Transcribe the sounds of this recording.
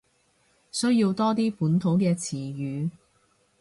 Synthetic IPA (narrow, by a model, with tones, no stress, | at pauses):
sɵ˥ɥjiː˧wt̪ɔː˥t̪̬iː˥puː˨˥nt̪ʰo˨˥wkɛː˧t͡sʰiː˨˩jyː˨˧